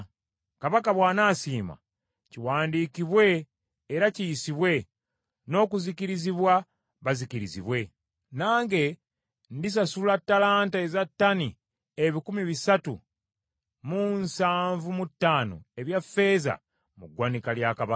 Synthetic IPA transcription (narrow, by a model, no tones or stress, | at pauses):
kaβakaβwaːnaːsiːma̰ | ciwaːndiːkiβwe̞ː | ɾacijisiβwe̞ | no̞ːkuzikiɾiziβwa | βazikiɾizḭβwe̞ | naːŋɡe̞ | ndis̬asulatːalaːntaezatːani | eβikumiβisatṵ | munsaːɱvumutːaːno̞̰e̞βjafːe̞ːza̰ | muɡwanikaljakaβa